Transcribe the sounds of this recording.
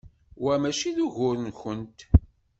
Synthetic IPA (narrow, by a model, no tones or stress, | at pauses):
wæmæʃiðuʝʊɾənçənt̪